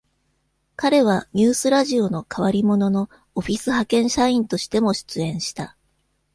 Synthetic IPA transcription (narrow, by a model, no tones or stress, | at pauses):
kaɾe̞β̞aɲ̟ʲɨːsɨɾaʑio̞no̞kʰaβ̞aɾʲimo̞no̞no̞ː | oɸʲisɨhakẽ̞ɰ̃ɕaĩnt̪o̞ɕi̥t̪e̞mo̞ɕi̥t͡sɨẽ̞ɰ̃ɕi̥t̪a